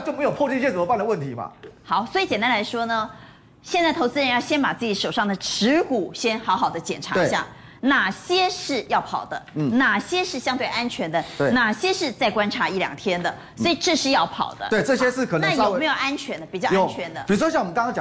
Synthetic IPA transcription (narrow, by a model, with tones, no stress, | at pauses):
t͡ɕjo˥˩me˧˥ɪjo˨˩pʰɔ˥˧ʈ͡ʂi˥ɕjt͡sə˨˩mə˧˦pba˥˩nd̪ə˦wə˥˩nt̪ʰi˧˦mɐ̰˧xɑ˨˦ʊswɔ˧˥i˨˩t͡ɕɛ˨˩nt̪a˥la˧˥ɪʂwɔ˥nə˧ | ɕjɛ˥˧nt͡sa˥˩t̪ʰo˧˥ʊt͡sɹ̩˥˧ɻə˧˥njɑ˥˩ʊɕjɛ˥npa˨˩t͡sɹ̩˥˩t͡ɕi˧˥ʂo˨˩ʊʂɑ˥˩ŋd̪ə˩ʈ͡ʂʰɻ̩˧˥ku˨˩ɕjɛ˥nxɑ˧˥ʊxɑ˨˩ʊd̪ə˦t͡ɕjɛ̰˨˩nʈ͡ʂʰa˧˥e˥˧˩ɕja̰˥˩ | na˨˩ɕjɛ˥ʂɻ̩˥˧jɑ˥˩ʊpʰɑ˨˩ʊd̪ə˦˩na˨˩ɕjɛ˥ʂɻ̩˥˩ɕjɑ˥ŋt̪wɪʔa˥nt͡ɕʰɥɛ˧˥nd̪ə˧˩na˨˩ɕjɛ˥ʂɻ̩˥˧t͡sa˥˩ɪkwa˥nʈ͡ʂʰa˧˥i˥˩ljɑ̰˨˩ŋt̪ʰjɛ˥nd̪ə˨ | sɔ˧˥i˨˩ʈ͡ʂɤ˥˧ʂɻ̩˥˧jɑ˥˩ʊpʰɑ̰˨˩ʊd̪ə̰˦twe˥˩ʈ͡ʂɤ˥˩ɕjɛ˥ʂɻ̩˥˩kʰə˨˩əna˦˥˩jme˧˥ɪjo˨˩a˥nt͡ɕʰɥɛ˧˥nd̪ə˧˩pi˨˩t͡ɕɑ˥˧jo˥˨˩nt͡ɕʰɥɛ˧˥nd̪ə˧i˨˩u˥ʂwɔ˥ɕjɑ˥˩ŋwɔ˨mə˦˥kɑ˥ŋ˥ŋt͡ɕɑ˨˧